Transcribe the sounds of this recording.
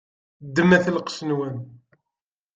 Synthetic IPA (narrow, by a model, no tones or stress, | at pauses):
d̪ːəmæθlqə̥ʃənwæn